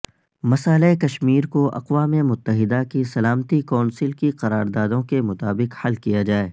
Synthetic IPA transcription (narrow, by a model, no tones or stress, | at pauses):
mɐsaːlekɐʃmiːɾkoʔɐ̰qʋaːmemʊt̪ːəɦɪd̪akisɐlaːmət̪ikɔːnsɪlkiqɐɾaːɾd̪aːd̪õkemʊt̪aːbɪqhɐlkijad͡ʒaːeː